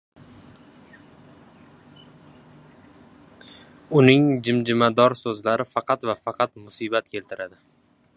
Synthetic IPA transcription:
ʊnɪŋd͡ʒɪmd͡ʒɪmad̪ɒɾsɵzlaɾɪfɑqʰɑt̪vafɑqʰɑt̪mʊsibat̪kʲʰe̞lt̪ʰɪɾʔad̪ɪ

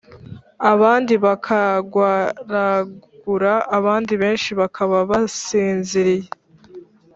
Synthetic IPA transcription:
aβaːndiβakʰaɡwaɾaɡɡ̥uɾaʔːβaːndiβe̞ːnʃiβakʰaβaβasiːnziɾije

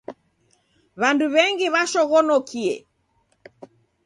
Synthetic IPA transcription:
βanduβɛŋɡiβaʃɔɣɔnɔkiɛ̰

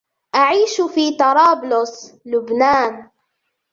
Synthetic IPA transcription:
ʔaʕiːʃfiːt̪ɑɾˤɑːblʊslʊbnaːn

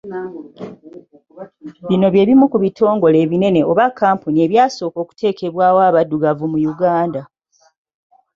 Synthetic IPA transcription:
βino̞βje̞ːβimukuβito̞ːŋɡo̞le̞ːβine̞ne̞oβakːaːmpunie̞βjaːso̞ːko̞ːku̥te̞ːkʰe̞βwaːwaːβaduɡavumujuɡaːnda

